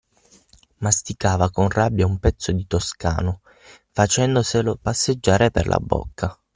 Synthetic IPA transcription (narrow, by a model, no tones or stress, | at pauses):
mast̪ikaːvakonrabːjaumpɛt̪sːod̪it̪oska̰ːno | fat͡ʃɛnd̪oselopasːed͡ʒːaːɾepḛrlʔa̰bːɔ̰kːa